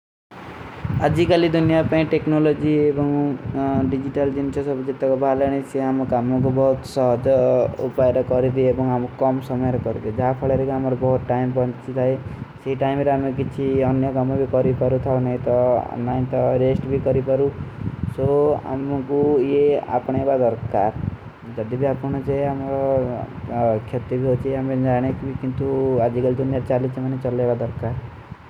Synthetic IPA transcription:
ad͡zikalid̪ʱunjapaĩʈeknolod͡ziebʌŋ | ɖid͡ʒiʈald͡zint͡sʰʌsʌbʌd͡zet̪akobʱaleñĩsiamokamok̬obʌɦut̪sʌɦʌd͡zʌṵpaeɾʌkʌɾid̪iebʌŋamokʌmsʌmʌjeɾʌkʌɾud̪id͡zapʰʌɭeɾekamaɾubʌɦut̪̚ʈajmpʌnt͡sit̪ʰʌjsiʈajmeɾʌɦamekit͡sʰiʌnjʌkɔmabikʌɾikʌɾut̪ʰanaj̃t̪ʌ̰naj̃t̪ʌɾesʈbʱikʌɾipʌɾusoa̰mkujea̰pɽ̃ebad̪ʌɾkaɾ | d͡zʌd̪ibiapuñʌt͡saĩamɾɔ | kʰjet̪ibiɦot͡sʰiamend͡zaɽ̃ekikint̪uad͡zikʌld̪unaɾt͡salismanet͡sʌlːebad̪ʌɾkaɾ

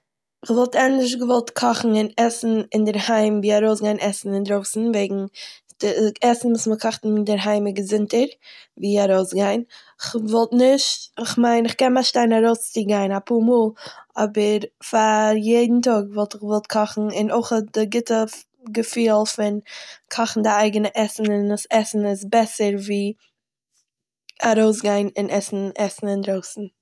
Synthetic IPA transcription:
ɪχvɔlˠtɛntɪʃ̬ɡəvɔlˠtkʰɔχn̩ɪnɛsn̩ɪndɪɾhaɪmviːaɾoʊsɡaɪnʔɛsn̩ɪndɾoʊsn̩veɪɡŋ̩ | d̥ɪɛsn̩vuːsməkʰɔχtnndɪɾɦaɪmɪɡəzɪntəɾviːaɾoʊsɡaɪn | ɪχvɔlˠtnɪʃtɪχmaɪnɪχkɛnmaʃtaɪnaɾoʊst͡sɪɡaɪnapʰuːɾmuːlˠɔbəɾfaɾjeɪdn̩tɔɡvɔlˠtɪχvɔlˠt̚kʰɔχn̩ɪnoɪχɔt̚dɪɡɪtə | ɡəfiːlˠfɪnkʰɔχn̩dɪaɪɡənəʔɛsn̩ɪnəsɛsn̩ɪsbɛsəɾviː | aɾoʊsɡaɪnɪnʔɛsn̩ɛsn̩ɪndɾoʊsn̩

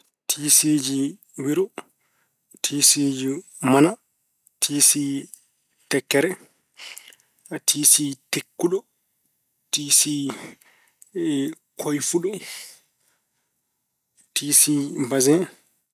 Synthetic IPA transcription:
tʰisid͡ʒi | wiɾɔ | tʰiːsid͡ʒi | mana | tʰisi | tɛkːɛɾɛ | tʰisitekːuɗɔ | tisi | kʰojfuɗɔ | tʰisibazɛ

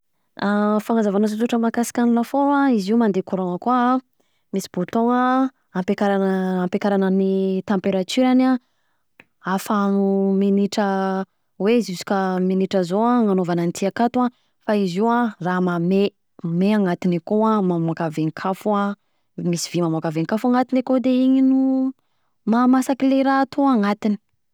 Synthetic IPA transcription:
afaŋazavanazot̪uʈ͡ʂəmakasi̥kʲanilafoaiziumand̪ekoɾoŋəkua | misi̥b̥ot̪oŋa | ampekaɾanampekaɾanənit̪ampeɾat̪yɾana | afanuminiʈ͡ʂə | weizizi̥kaminiʈ͡ʂəzoãŋanovananit̪iakat̪uã | faiziwãramame | meaŋat̪inakoamamokaveŋikʰafua | misivimamakaveŋikafaŋat̪inekod̪eiɲinu | mamasakileɾat̪ʰoaŋat̪ini̥

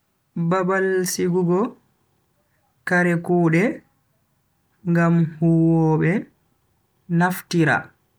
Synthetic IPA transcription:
babalsiɡuɡɔ | kaɾɛkuːɗɛ | ŋɡamhuwɔɓɛ | naftiɾa̰

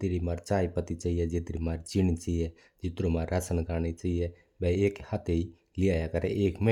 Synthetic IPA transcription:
t̪eːɾimaːɾt͡ʃaːipət̪it͡ʃaːiɛd͡ʒet̪ɾimaːɾt͡ʃɪñit͡ʃaijɛ | d͡ʒɪt̪ɾomaːɾːasənkəɾnet͡ʃaːije | bɛ̃eːkhat̪ʰei | lɪaːjakəɾḛʔeːkmə

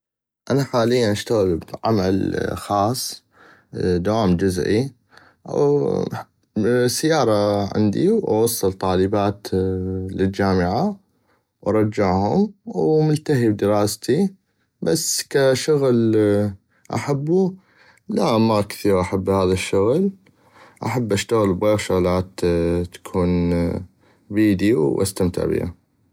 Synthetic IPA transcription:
ʔanaħaːlɪjːanʔaʃt̪aɣɪlbʕa̰malxɑːsˤː | d̪awaːmd͡ʒʊzʔḭ | sajːɑːɾˤɑʕɪ̰nd̪iwʔɑ̰wɑsˤːɨlt̪ˤɑːləbaːt̪lɪld͡ʒaːmɪʕa | wʔɑɾˤɑd͡ʒːaʕhʊmwmʊlt̪aɦibd̪ɪɾɑːst̪i | basːkaʃʊɣl | ʔa̰ħabːu | laʔmakθiːɣʔaħabːhaːðaʃːʊɣl | ʔaħabːʔaʃt̪aɣəlbɣeːɣʃʊɣlaːt̪ːḁkʰuːn | biːd̪iwʔa̰st̪amt̪ɪ̰ʕbḭha̰

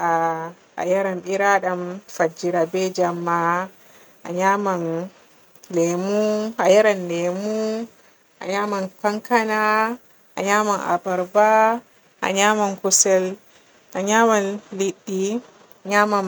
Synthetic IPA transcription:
ʔa̰ː | jaɾanɓiɾaɗamfad͡ʒːiɾabɛd͡ʒamːa | ʔa̰ɲaman | lɛmuajaɾanːɛmu | ʔa̰ɲamankaŋkana | ʔa̰ɲamanʔa̰baɾba | ʔa̰ɲamankusɛl | ʔaɲamanliɗːi | aɲaman

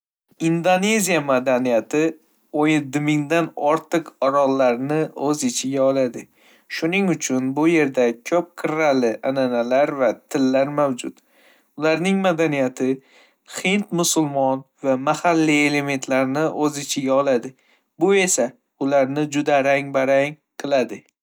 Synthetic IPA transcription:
ind̪one̞zijamad̪anijat̪ʰɪ | ojɪd̪ɪmɪŋd̪anɒɾt̪ʰɨqɒɾɒlˠːaɾnɪɵzɪt͡ʃʰɪɡʲaɒlˠad̪ɪ | ʃʊnɪŋʊt͡ʃʰʊnbʊje̞ɾd̪akʲʰɵp̚qʰɨɾalɪʔananalaɾvat̪ʰɪlːaɾmawd͡ʒʊ̰t̪ | ʊlaɾnɪŋmad̪anijat̪ʰɪ | hɪnt̪mʊsʊlˠmɒnvamahalːie̞le̞me̞nt̪ʰlaɾnɪʔɵzɪt͡ʃʰɪɡʲaɒlad̪ɪ | bʊe̞sa | ʊlaɾnɪd͡ʒʊd̪aɾaŋbaɾaŋ | qʰɨlˠad̪ɪ

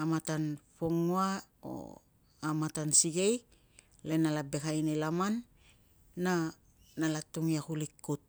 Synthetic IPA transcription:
amatanpoŋua | o̰ | amatansiɡe̞j | lenalabekajnelamanː | a | nalatuŋiakulikːut̚

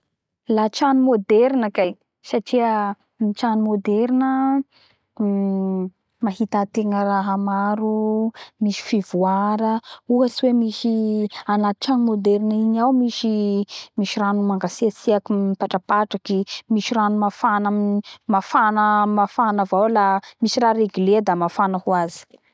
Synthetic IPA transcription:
lat͡ʃanumod̪eɾnəkaj | saʈ͡ʂiə | mit͡ʃanumod̪eɾinə | maɦit̪at̪eŋəraɦamaɾumiʃi̥fivuaɾəuɦasiwemisianat̪i̥ʈ͡ʂanimod̪ɛɾiniɲawmiʃimiʃiɾanumaŋɡaseasiakiipaʈ͡ʂapaʈ͡ʂakimiʃiɾanumafanamnimafanəmafanəvawlamiʃiɾaɾeɡiled̪amafanəhuazi̥

